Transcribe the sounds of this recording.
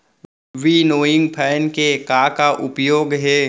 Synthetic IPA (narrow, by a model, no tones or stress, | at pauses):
ʋinoːɪ̃ŋɡpʰɛːnkekakaʔʊpjoːɡɦɛː